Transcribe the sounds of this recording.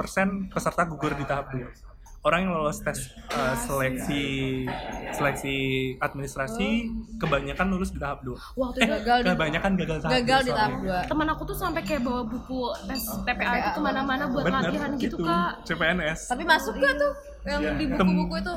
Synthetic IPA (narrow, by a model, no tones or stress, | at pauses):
pərsɛnpəsərt̪aɡuɡʊrdit̪aɦap̚dua | oɾaŋjaŋlalost̪ɛs | əːsəlɛk̚si | səlɛk̚siat̪̚minist̪ɾasikəbaɲakanːulʊsdit̪aɦap̚dua | waht̪uɡaɡaləbaɲakanɡaɡalit̪aɦɡaɡaldiaap̚duat̪əmənakut̪usampɛkajabawabukut̪ɛst̪epeait̪uumanamanabuat̪bəkaəiɦanɡit̪uukat͡ʃepeɛnɛst̪apimasʊkkat̪ʊ | jaŋadibut̪əmkubukuit̪u